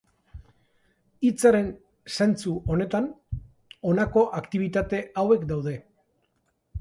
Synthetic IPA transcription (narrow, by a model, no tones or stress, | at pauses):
it͡saɾe̞n | se̞nt͡suo̞ne̞t̪an | o̞nako̞ʔakt̪iβ̞it̪at̪e̞awe̞kd̪awð̞e̞